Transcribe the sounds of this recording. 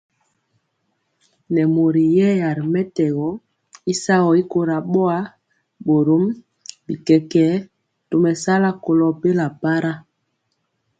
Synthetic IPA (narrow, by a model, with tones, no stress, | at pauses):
nɛ˨mo˨ɾi˨jɛ˦ja˨ɾmɛ˦tɛ˨ɣɔ˨˦ | i˦sa˦ɣɔ˨i˦ko˨ɾa˨ɓɔ˦a˦ | ɓo˨ɾo˦m | bi˨kɛ˨kɛ˦ | to˨mɛ˨sa˦la˦ko˨lɔ˨pe˦la˨pa˦ɾa˦